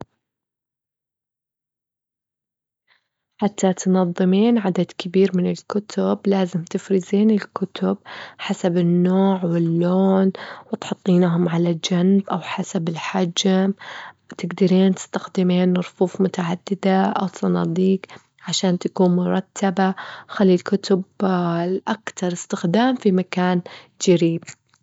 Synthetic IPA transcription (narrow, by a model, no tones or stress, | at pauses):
ħat̪ʰːat̪nɑðˤːɨmiːnʕad̪ad̪kɪbiːɾmɪnɪlkʊt̪ʰʊblaːzɪmt̪ɪfɾɪziːnɪlkʊt̪ʊb̚ħasabɪnːoːʕwɪlːoːnwɪt̪ħʊt̪ˤːiːnaɦʊmʕalad͡ʒanbʔawħasabɪlħad͡ʒm | t̪ɪɡd̪aɾiːnt̪ɪ̥st̪axd̪ɪmiːnɾˤʊfuːfmʊt̪aʕad̪ːɪd̪aʔa̰wsˤɑnɑ̰ːd̪ˤiːk | ʕaʃaːnt̪akuːnmʊɾˤɑt̪ʰːabaxalːilkʊt̪ʊb | ʔakt̪ɑɾˤɪst̪ɪxd̪aːmfimakaːn | d͡ʒaɾiːb̚